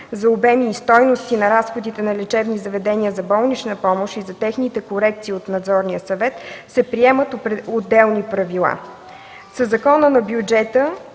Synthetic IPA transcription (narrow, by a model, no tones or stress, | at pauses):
zɐobɛmiːst̪ɔjnost̪inɐɾasxod̪it̪ɛnɐlʲɛt͡ʃɛvnizɐvɛd̪ɛniəzɐbɔlˠnit͡ʃnəpɔmoʃizɐt̪ɛxnit̪ɛkoɾɛk̚t̪siːot̪nɐd̪zɔɾniəsɐvɛt̪sɛpɾiɛmət̪od̪ːɛlˠnipɾɐvilˠa̰ | səzɐkɔnənɐbjud͡ʒɛt̪ə